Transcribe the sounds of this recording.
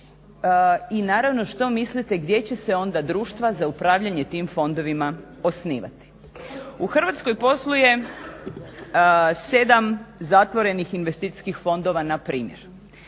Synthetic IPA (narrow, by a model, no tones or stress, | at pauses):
inaːɾaʋno̞ʃt̪o̞mislit̪eɡd̪je̞t͡ɕe̞seo̞nd̪ad̪ɾuːʃt̪ʋazaupɾaːʋʎaɲe̞t̪iːmfo̞nd̪o̞ʋima | o̞sniːʋa̰t̪i̥ | uxrʋat̪sko̞jpo̞slˠuje̞ | sed̪amzat̪ʋo̞ɾe̞nixinʋest̪iːt̪i̥skixfo̞nd̪o̞ʋanapɾiːmjḛɾ